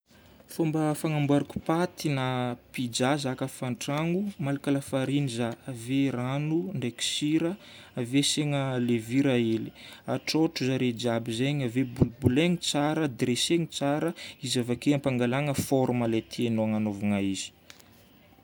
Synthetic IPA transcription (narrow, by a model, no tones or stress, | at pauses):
fombəfaŋambaɾaku̥pat̪inapid͡ʒazakəfaɳʈ͡ʂaŋumalakalafaɾinizaaveranuɳɖ͡ʐeki̥siɾəaveseŋəleviɾaeli̥aʈ͡ʂoʈ͡ʂuzaɾed͡ʒiabizeɲavebulbuleŋit͡saɾəd̪reseŋit͡saɾəizavakeampaŋɡalaŋəfɔɾumalet̪ʰeenoaŋanovuŋaizi̥